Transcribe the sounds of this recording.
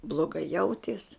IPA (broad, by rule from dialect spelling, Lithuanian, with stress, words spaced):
blˠoːˈɡɐɪ ˈjɛʊtʲiɛs